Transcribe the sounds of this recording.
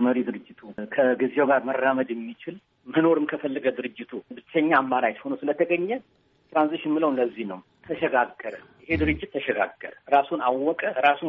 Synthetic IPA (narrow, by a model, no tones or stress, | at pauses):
məɾid̪ɨɾɨd͡ʒːɪt̪ʰukʰəɡizewɡaɾmərːaməd̪jɛmːit͡ʃɪl | məno̞ɾɨmkʰəfəlːəɡəd̪ɨɾɨd͡ʒːɪt̪ʰubɨt͡ʃːəɲːaːmːaɾat͡ʃho̞nowsɨlət̪ʰəɡəɲːɛ | t̪ɾanziʃɪnmɨləwnlːəzːihnəw | t̪ʰəʃɛɡaɡːəɾəjɪhe̞d̪ɨɾɨd͡ʒːɪt̪ːəʃɛɡa̰ɡːə̰ɾəɾasunawːɔkʼəɾasu